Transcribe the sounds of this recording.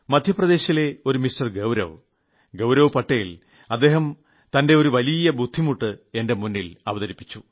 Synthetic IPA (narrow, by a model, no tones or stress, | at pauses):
mɐd̪ʱjɐprɐd̪e̞ːɕile̞o̞ɾumistɐrɡewɾɐ̰ʋ | ɡewɾɐʋpɐʈːejil | ɐd̪ːe̞ːɦɐm | t̪ɐnde̞o̞ɾuʋɐlijɐbud̪ʱːimuʈːɨe̞nde̞munːilɐʋɐðɐɾipːi̥t͡ɕːu